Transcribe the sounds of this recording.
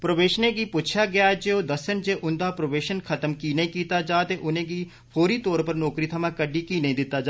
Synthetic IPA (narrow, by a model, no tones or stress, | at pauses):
pɾəʋeːʃneːɡiːpʊt͡ʃʰjaːɡɪjaːd͡ʒeːoːd̪əsənd͡ʒeːʔʊnd̪aːpɾəʋeːʃənkʰət̪əmkiːneĩːkiːt̪aːd͡ʒaːt̪eːʔʊnẽːɡiː | pʰoːɾiːt̪ɔːɾpəɾnɔːkɾiːt̪ʰəmãːkəɖiːkiːnəĩd̪ɪt̪ːaːd͡ʒaː